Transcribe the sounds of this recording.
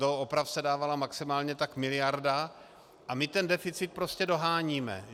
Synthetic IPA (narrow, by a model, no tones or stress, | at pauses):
ooopɾafsɛdaːvalamaksɪmaːlɲɛt̪akmɪlɪjaɾda | ʔamɪt̪ɛndɛfɪt͡sɪt̪̚pɾo̞scɛdo̞ɦaːɲiːmɛ̰